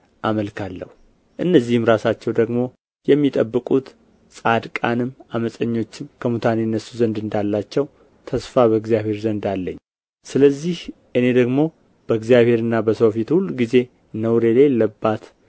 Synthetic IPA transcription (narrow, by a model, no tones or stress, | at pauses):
ʔaməlkʰalːə̰hu | ʔɨnːəzːihɨmɾasat͡ʃːɛwd̪əɡmo̞ | jɛmːit̪ʼəbːɨkʼut̪ | sʼad̪kʼanɨmaməsʼəɲːo̞t͡ʃːɪmkʰəmut̪ʰanenːəsuzənd̪ɨnd̪alːat͡ʃːɛw | t̪ʰəsfaβəɡzijaβhe̞ɾzənd̪alːəɲː | sɨləzːihʔɨne̞d̪əɡmo̞ | b̥əɨɡzijaβhe̞ɾɨnːabəsofit̪hulːɡize̞ | nəwɾe̞lajɛlːəbːat̪